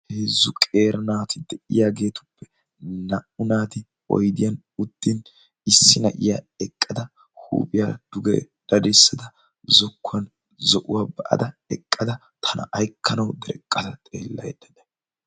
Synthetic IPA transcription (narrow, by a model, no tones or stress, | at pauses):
heːzːʊkʼe̞ːɾɐnaːt̪ɪd̪ɛʔɪjaːɡe̞ːt̪ʊ̥pːɛ̥ | nɐʔʊnaːt̪ɪ | ɔ̰jd̪ɪjɐn | ʊd̪̥ːin | ɪsːɪnɐʔɪja̰ | ɛkʼːɐd̪ɐ | hṵːpʼɪjaːd̪̥ʊɡɛ̰ | d̪̥ɐd̪ɛsːɐd̪ɐ | zɔkːʊwɐn | zɔʔʊwaːbɐʔɐ̰d̪ɐɛkʼːɐd̪ɐ | t̪ʰɐnɐ̰ʔɐjkʰːɐnɐwd̪ɛɾɛ̰kʼːɐt̪ɐt̪ʼeːlːɐjɛd̪ɐd̪ɛ̥